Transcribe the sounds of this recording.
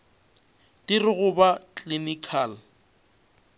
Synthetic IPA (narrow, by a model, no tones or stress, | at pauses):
tɪrɪɣʊbat͡ɬʼinikʰal